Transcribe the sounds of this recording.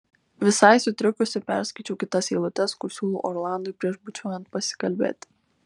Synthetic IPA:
ʋʲɪsɐɪsʊt̪ʲɾʲɪkʊsʲɪpʲæ̰ɾʲsʲkɐɪt͡ʃʲɛʊkʲɪt̪ɐseːlˠʊt̪ʲɛskʊɾsʲuːlˠṵːʔɔɾlˠɑˑnd̪oɪpʲɾʲiɛʃbʊt͡ʃʲuɔjɛnt̪̚pɐsʲɪ̥kɐlʲbʲḛːt̪ʲ

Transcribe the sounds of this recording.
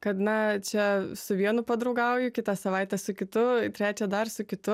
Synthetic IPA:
kɐt̪nɐt͡ʃʲɛsʊʋʲiɛnʊpɐd̪ɾɐʊɡɐʊjʊkʲɪt̪ɑsɐʋɑɪt̪ʲɛsʊkʲɪt̪ʊt̪ʲɾʲæːt͡ʃʲɛd̪ɐrsʊkʲɪt̪ʊ

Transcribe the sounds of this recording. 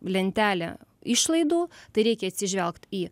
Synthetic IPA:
lʲɛnʲt̪ʲæːlʲɛ̰ɪʃlˠɐɪd̪uːt̪ɐɪɾʲɛɪkʲɛɐt̪ʲsʲɪʒʲʋʲɛlˠkt̪iː

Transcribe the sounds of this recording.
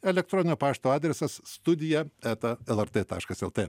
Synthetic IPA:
ɛlʲɛk̚t̪ɾɔnʲɪnʲoːpɑːʃt̪oːɑːd̪ʲɾʲɛsɐsːt̪ʊd̪ʲɪjɛæt̪ɐɛlˠɛɾt̪et̪ɑ̰ːʃkɐsɛlˠt̪e

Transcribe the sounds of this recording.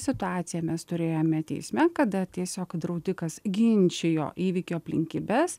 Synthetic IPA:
sʲɪt̪ʊɑːt̪sʲɪjɛmʲɛst̪ʊɾʲeːjoːmʲɛt̪ʲɛ̰ɪsʲmʲɛkɐd̪ɐt̪ʲiɛsʲoːkd̪ɾɐʊd̪ʲɪkɐsɡʲɪnʲt͡ʃʲejo̰ːʔiːʋʲikʲoːɐpʲlʲɪ̰ŋʲkʲiːbʲɛs

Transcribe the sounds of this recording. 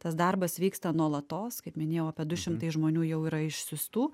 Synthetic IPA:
t̪ɐsd̪ɐrbɐsʋʲiːkst̪ɐnuɔlˠɐt̪oːskɐɪpmʲɪnʲeːjɛʊɐpʲiɛd̪ʊʃʲɪmt̪ɐɪsʒmoːnʲuːjɛʊiːɾɐɪʃʲsʲʊst̪uː

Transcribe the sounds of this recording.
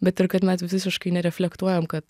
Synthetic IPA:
bʲɛt̪ɪɾkɐt̪mʲɛsʋʲɪsʲɪsʲɪʃkɐɪnʲɛɾʲɛfʲlʲɛkt̪uɔjoːmkɐt̪

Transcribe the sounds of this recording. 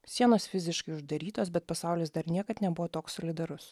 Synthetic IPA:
sʲiɛnoːsfʲɪzʲɪʃkɐɪʊʒd̪ɐɾʲiːt̪oːsbʲɛt̪̚pɐsɑˑʊlʲeːsd̪ɐɾnʲiɛkɐt̪nʲɛbʊʋoːt̪oːksɔlʲɪd̪ɐɾʊs

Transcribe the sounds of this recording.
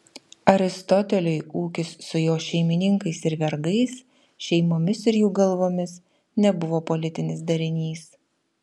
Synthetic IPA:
ɐɾʲɪst̪ɔt̪ʲɛlʲʊɪuːkʲɪsːʊjoːʃʲɛɪmʲɪnʲɪŋkɐɪsɪɾʋʲɛɾɡɐɪs | ʃʲɛɪmoːmʲɪsɪɾjuːɡɐlˠʋoːmʲɪs | nʲɛbʊʋoːpɔlʲɪt̪ʲɪnʲɪsd̪ɐɾʲɪnʲiːs

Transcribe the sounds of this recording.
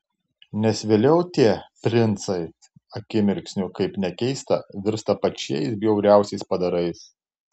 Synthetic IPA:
nʲɛsʋʲeːlʲɛʊt̪ʲiɛpʲɾʲɪnt̪sɐɪ | ɐkʲɪmʲɪɾʲksʲnʲʊkɐɪpnʲɛkʲɛɪst̪ɐ̰ʋʲɪɾst̪ɐpɐt͡ʃʲɛ̰ɪsbʲjɛʊɾʲæˑʊsʲɛɪspɐd̪ɐɾɐɪs

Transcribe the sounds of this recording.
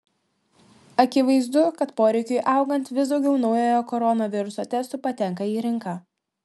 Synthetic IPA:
ɐkʲɪʋɐɪzd̪ʊkɐt̪poːɾʲɛɪkʲʊjʔɐˑʊɡɐnʲt̪ʋʲɪsd̪ɒʊɡʲɛʊnɒʊjoːjokɔɾɔnoʋʲɪɾʊsoːt̪ʲɛst̪ʊpɐt̪ʲɛŋˑkɐiːɾʲɪŋˑkɑ

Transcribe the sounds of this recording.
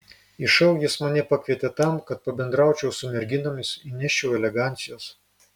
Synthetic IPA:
ɪʃɐʊjɪsmɐnʲɛpɐkʲʋʲiɛt̪ʲɛt̪ɐˑmkɐt̪̚pɐbʲɛnd̪ɾɑˑʊt͡ʃʲɛʊsʊmʲɛɾʲɡʲɪnoːmʲɪsɪnʲɛʃʲt͡ʃʲɛʊɛlʲɛɡɑˑnʲt̪sʲɪjoːs

